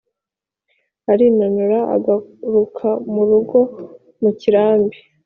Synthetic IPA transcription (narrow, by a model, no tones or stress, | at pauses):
aɾinanuɾaa̰ɡaɾukʰamuɾuɡo̞ | muciɾaːmbi